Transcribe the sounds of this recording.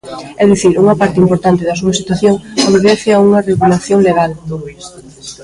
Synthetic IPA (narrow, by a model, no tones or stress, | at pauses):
ɛðiθiɾuŋɐpaɾt̪ɪimpoɾt̪ant̪ɪðɐsuɐsit̪waθjoŋoβeβɛθɪauŋɐreɣulaθjoŋleɣald̪ois